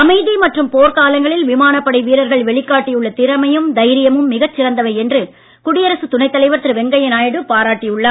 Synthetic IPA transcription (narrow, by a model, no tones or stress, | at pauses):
ɐmɐɪðimɐʈrɯmpoːɾkaːlɐŋɡɐɭɪlʋɪmaːnɐpːɐɽɐɪʋiːɾɐɾɣɐɭʋɛɭɪkːaːʈːijɯɭːɐt̪ɪɾɐmɐjɯmd̪ɐɪɾɪjɐmɯmːɪɣɐt͡ʃːɪɾɐnd̪ɐʋɐɪɛndrɯ | kʊɽɪjɐɾɐsɯt̪ʊnɐɪt̪ːɐlɐɪʋɐɾt̪ɪɾɯʋɛŋɡɐjɐnaːjɐɽɯpaːɾaːʈːɪjɯɭːɐː